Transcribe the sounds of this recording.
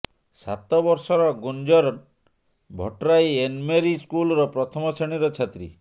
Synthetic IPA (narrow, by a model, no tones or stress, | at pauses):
sa̰t̪ɔbɔɾsɔɾɔɡund͡ʒɔɾɔn | bʱɔ̰ʈɾajenmeɾiskulɔɾɔpɾɔt̪ʰɔmɔseɽ̃iɾɔt͡ʃʰat̪ɾḭ